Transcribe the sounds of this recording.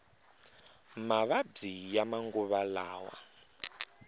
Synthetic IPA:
maβab͡ʐijamaŋɡuβalaːwa̰

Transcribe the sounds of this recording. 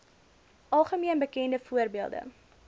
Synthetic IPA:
ʔɐlˠχəmiənbəkɛndəfuərbiəlˠdə̰

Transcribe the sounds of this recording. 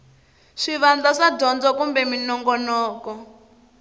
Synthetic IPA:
ʂiβand͡ɮaʂadɔnd͡zɔkumbɛminɔŋɡɔnɔːkɔ

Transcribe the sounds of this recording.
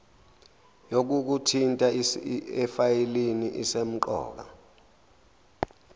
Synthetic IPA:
jok̬uk̬utʰintʼaɛfajɛliniʔisem̩ǃɔ̰ːk̬a̰

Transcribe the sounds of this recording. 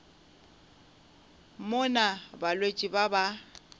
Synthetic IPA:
mʊnabalwet͡ʃʼibaba

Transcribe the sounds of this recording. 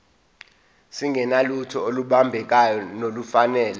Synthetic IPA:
siŋɡʱɛnalutʰɔoluɓambʱɛk̬ajɔnolufanɛːlɛ

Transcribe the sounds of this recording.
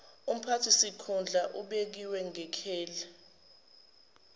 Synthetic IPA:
um̩pʰatʰisikʰund͡ɮʱaʔuɓek̬iwɛŋɛkʰɛːlɛ

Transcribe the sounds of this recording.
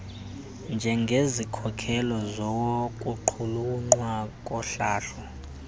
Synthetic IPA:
nd͡ʒʱɛŋɡʱezikʰɔkʰɛlɔzɔwokʼuǃʰuluŋ͡ǀwakʼɔɬaːɬɔ

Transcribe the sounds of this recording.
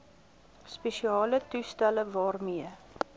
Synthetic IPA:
speʃiɑːlətustæləvɑːrmiə

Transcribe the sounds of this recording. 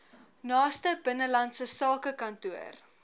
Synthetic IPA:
nɑːstəbənəlɐnsəsɑːkəkɐntuər

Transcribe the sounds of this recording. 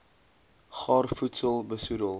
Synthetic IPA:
χɑːrfutsəlˠbəsudəlˠ

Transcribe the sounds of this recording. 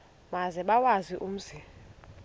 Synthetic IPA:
mazɛɓawaziʔum̩ːsi

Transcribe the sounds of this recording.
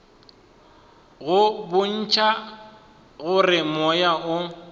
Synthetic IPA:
ɣʊbʊn̩t͡ʃʰʼa | ɣʊrɪmɔjaʔʊ

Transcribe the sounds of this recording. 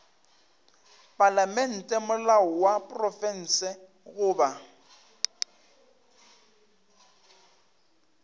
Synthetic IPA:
pʼalamɛn̩tʼɛmʊlaɔwapʼrɔfɛn̩ːsɛ | ɣʊːba

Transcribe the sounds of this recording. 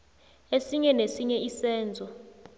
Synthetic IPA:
esiɲɛnesiɲɛʔisɛːnd͡zʱɔ

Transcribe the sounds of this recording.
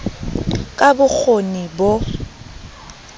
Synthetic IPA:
kʼabʊk͡xʰonibo

